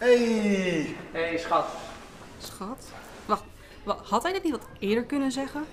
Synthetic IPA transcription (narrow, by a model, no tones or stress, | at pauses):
ej | ejsχɑt | sxɑt | ʋɑ | ʋhɑtɦɛjdɪtnitʋɔtɪəɹdəɹkɵnənzɛχən